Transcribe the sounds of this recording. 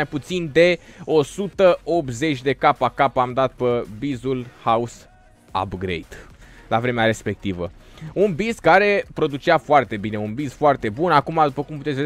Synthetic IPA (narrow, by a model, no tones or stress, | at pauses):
ajput̪sind̪e̞o̞sut̪əo̞p̪ze̞t͡ʃʲd̪e̞kapakapamd̪at̪̚pəbizulhaus | a̰bɡɾḛjd̪ | lavɾe̞meaɾe̞spe̞k̚t̪ivə | unbizkaɾe̞pɾo̞d̪ut͡ʃeafoart̪e̞bine̞unbizfoart̪e̞bunakumad̪upəkumput̪et̪sʲve